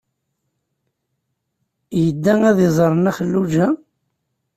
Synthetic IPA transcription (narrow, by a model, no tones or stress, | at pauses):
jəd̪ːæŋæðɪzˤɾˤənæχəlːud͡ʒæ